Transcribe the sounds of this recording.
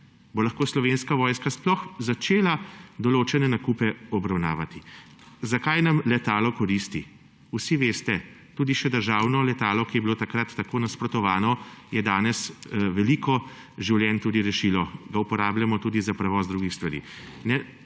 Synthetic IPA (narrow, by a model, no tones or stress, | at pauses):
bolaxkoːslɔʋeːnskaʋɔːjskasplɔxzat͡ʃeːlad̪ɔloːt͡ʃɛnɛnakuːpɛɔbɾawna̰ːʋat̪i | zakajnamlɛt̪aːlɔkɔɾist̪i | usiʋeːst̪ɛ | t̪uːd̪iʃɛd̪əɾʒaːwnɔlɛt̪aːlɔkijɛbiloːt̪akɾat̪ːakoːnaspɾɔt̪ɔʋaːnɔjɛd̪aːnɛsʋɛlikɔ | ʒiwljɛnt̪ud̪iɾɛʃiːlɔɡaupɔɾaːbljamɔt̪uːd̪izapɾɛʋɔːzd̪ɾuːɡixst̪ʋaɾḭː | nɛ